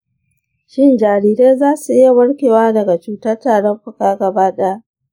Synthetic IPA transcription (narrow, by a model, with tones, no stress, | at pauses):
ʃɪ˦nd͡ʒaː˨ɽiː˨ɾeː˦zaː˦su˨ʔɪ˦ja˨wɐ˦ɽkʲeː˨waː˦dɐ˨ɡa˨t͡ʃuː˦tɐ˦rtaː˨ɽɐ˦mɸʊ˦˨kʼaː˦ɡɐ˨baː˦ɗɛ˦a˦ʔ